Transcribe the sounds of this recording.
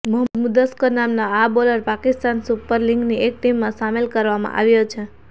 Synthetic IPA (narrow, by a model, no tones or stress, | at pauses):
mʊɦəməd̪mud̪əskonamnaaboləɾpakist̪ansupəɾlĩŋɡniek̚ʈimːãsamelkəɾʋamã̰ʔa̰ʋjot͡ʃʰe